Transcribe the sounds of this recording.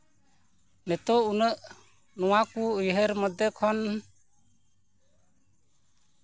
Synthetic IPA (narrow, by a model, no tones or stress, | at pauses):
nɛt̪ɔunəʔ | nɔwakuujɦəɾməd̪ɛkʰɔn